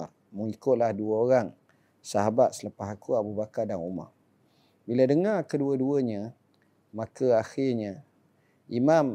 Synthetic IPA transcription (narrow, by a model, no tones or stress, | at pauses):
ar | məŋikʊʔ̪̚lahduəoɾaŋ | saɦabat̪̚səlapaɦakuabubakardaŋuma̰r | biladəŋarkəduəduəɲə | makəaxɪrɲə | imam